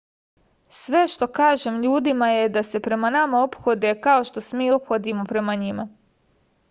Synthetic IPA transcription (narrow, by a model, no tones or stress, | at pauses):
sʋe̞ʃt̪o̞kaːʒe̞mʎuːd̪imaje̞d̪ase̞pɾe̞manamao̞pxo̞d̪e̞kao̞ʃt̪o̞smiːo̞pxo̞d̪imo̞pɾe̞maɲima